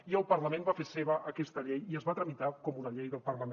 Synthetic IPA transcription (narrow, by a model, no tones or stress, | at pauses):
iəlˠpəɾləmẽmbafeseβəʔəkɛst̪əʎejiəzβat̪ɾəmit̪akɔmunəʎejðəlˠpərləm